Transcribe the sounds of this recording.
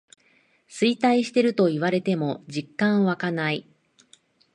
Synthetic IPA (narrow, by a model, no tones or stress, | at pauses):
sɨit̪aiɕi̥t̪e̞ɾɯ̟t̪o̞iβaɾe̞t̪e̞mo̞d͡ʑikːãɰ̃βakanai